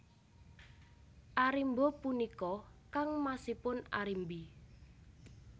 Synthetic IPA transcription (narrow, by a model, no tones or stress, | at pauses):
ʔaɾimbɔpunikɔkaŋmasihpʊna̰ɾimbi